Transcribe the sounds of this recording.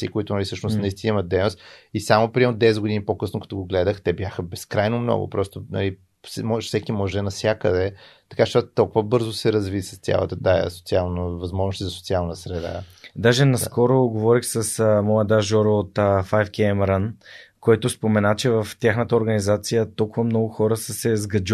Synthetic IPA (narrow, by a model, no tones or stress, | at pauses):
sḭkoit̪ʊnɐlisəʃnʊsnɐist̪inimɐt̪̚d̪ɛjnost̪isamopɾiɛnʊd̪ɛsɛd̪ɡʊd̪inipokɤsnokɐ̥t̪oɡoɡlɛd̪əxt̪ɛbjaxəbɛskɾajnomnɔ̰ɡʊ̰pɾɔst̪onɐ̰li | sɛmɔʒfsɛkimɔʒɛnɐsʲjakəd̪ɛt̪ɐ̥kaʃʃt̪ɔt̪t̪ːɔlˠkʊvəbɤɾzʊsɛɾɐzvisɐ̥st̪ʲja̰lˠə̰t̪əd̪ajə̰so̥t̪sialˠnəvɐzmɔʒnost̪izɐso̥tsialˠnəsɾɛd̪a̰d̪aʒɛnɐskɔɾoɡovɔɾixsəsmɔjəd̪aʒɔɾot̪əfajfkɛmɛɾənkoɛt̪ʊspomɛnat͡ʃɛvɐft̪ʲaxnət̪əoɾɡɐnizat̪sijət̪olˠkʊvɐmnɔɡʊxɔɾəsəsɛzɡɐd͡ʒ